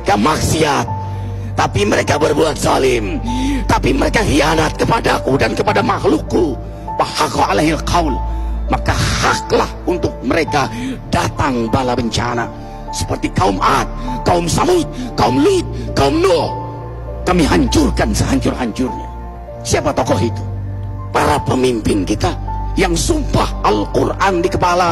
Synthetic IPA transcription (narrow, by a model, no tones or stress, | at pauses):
kamaksiat̪̚ː | apiməɾekabərbuat̪̚zalɪmt̪apiməɾekaɦianat̪̚kəpadakudankəpadamahlʊkːu | bahakaalaɦilkaulmakahak̚lahunt̪ʊk̚məɾekadat̪aŋbalabəɲt͡ʃa̰na̰ | sə̥pərt̪ikaʊmat̪̚kaʊmsamʊt̪̚kaʊmluit̪̚kaʊmdɔ | kamiɦaɲt͡ʃʊrkansəɦaɲt͡ʃʊrɦaɲt͡ʃʊrɲa̰ | siapat̪ɔkɔɦit̪u̥ | paɾapəmimpɪnkit̪ajaŋsumpahalkurʔandikəpala